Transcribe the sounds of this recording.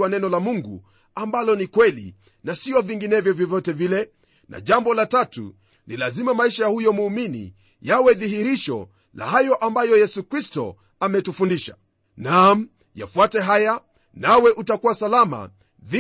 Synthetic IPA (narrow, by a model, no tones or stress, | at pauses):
wanɛnɔlamuŋɡṵ | ambalɔnikwɛlḭ | nasiɔviŋɡinɛvjɔvjɔvjɔtɛvilɛ | na̰ʄambɔlatatṵ | nilazimamaiʃajahujɔmuːminḭ | jawɛðihiɾiʃɔ̰ | la̰hajɔʔambajɔjɛsukɾistɔ̰ | amɛtufundiʃa | nam̩ | ja̰fuatɛɦaja | nawɛʔutakuwasalama̰ | ði